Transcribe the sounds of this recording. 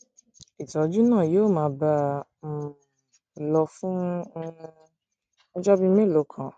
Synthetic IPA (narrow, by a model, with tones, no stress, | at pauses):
i˨tɔ˨d͡ʒu˦nãː˦˨joː˦˨mãː˨˦ba˦˨ | lɔ˧fũ˦˧ | ɔ˦d͡ʒɔ˦bĩ˧mẽ˦˨lo˨˦kʰã˨